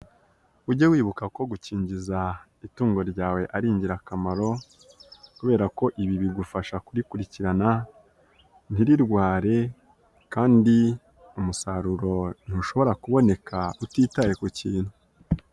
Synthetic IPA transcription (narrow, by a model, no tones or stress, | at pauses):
uɾɟowiːβukako̞ɡuciːɲɟiza | ituːŋɡo̞ɾɟaːwe̞ʔaɾiːɲɟiɾakamaɾo̞ | kuβe̞ːɾako̞ʔiβiβiɡufaʃakuɾikuɾiciɾana | n̥iɾiɾɡwaːɾe̞ | kaːndi | umusaɾuɾo̞n̥huʃo̞βo̞ɾakuβo̞ne̞kʰautiːtaje̞kuciːn̥hu